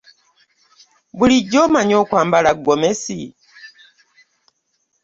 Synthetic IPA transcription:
buliɟːomaɲokwaːmbalaɡomesi

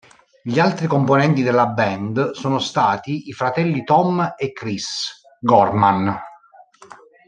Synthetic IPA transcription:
ʎialt̪ɾikomponɛnt̪id̪elːabɛnd̪soːnost̪aːt̪iːfɾat̪ɛlːit̪ɔmekːɾis | ɡɔrman

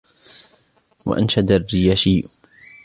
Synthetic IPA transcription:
wa̰ʔa̰nʃad̪arːɪjaːʃiː

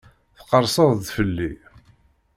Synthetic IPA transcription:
θə̥qəɾˤsəðˤðfəlːi

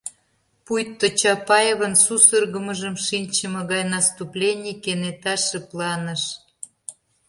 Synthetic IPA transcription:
pujt̪ːot͡ɕɑpɑjeβə̆nsusərɣə̆məʒə̆mʃinʲt͡ɕəmɤ̆ɣɑjnɑst̪uplʲenʲikenet̪ɑʃĕplɑnəʃ

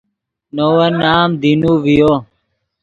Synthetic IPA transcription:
nowɐnaːmd̪inuʋijo

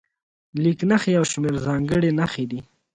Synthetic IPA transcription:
liknaxejawʃmeɾzɑŋɡəɽenaxed̪i

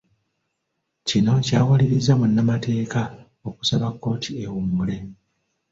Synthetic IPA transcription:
cino̞caːwaliɾizamunːamatʰe̞ːka | oku̥saβakːo̞ːtʰiewumule̞

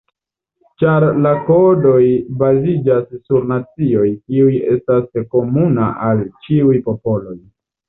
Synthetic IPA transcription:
t͡ʃaɾlako̞do̞jbazid͡ʒasːuɾnat͡sio̞jkiuje̞stasko̞munaʔalt͡ʃiujpo̞po̞lo̞j

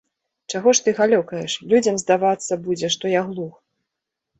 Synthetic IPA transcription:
t͡ʂaɣɔʂt̪ɨɣalʲɔkɐjɛʂlʲud͡zʲɐmzd̪avat̪sːɐbud͡zʲɛʂt̪ɔjaɣlˠux

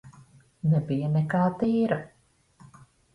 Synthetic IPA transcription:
nɛbijanɛkaːt̪iːɾa

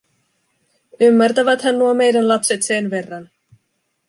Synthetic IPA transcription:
ymːært̪æʋæt̪hænːuome̞jdænlɑpse̞t̪se̞nʋe̞rːɑn

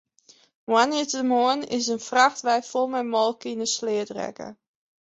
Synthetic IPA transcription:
wanitəmoənɪs̬ənfraxtʋɛjfɔlˠmɛjmɔlˠkinəslɪədrɛ̰kə̰

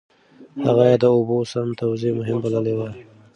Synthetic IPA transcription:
haɣajɑd̪əobosamt̪awzemʊɦɪmbaləlewa

